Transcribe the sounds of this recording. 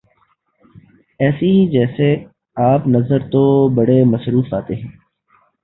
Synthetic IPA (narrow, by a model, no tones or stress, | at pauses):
ɛːsid͡ʒɛːse | aːpnɐzəɾt̪obɐɽemɐsɾuːfaːt̪eɦɛ̃ː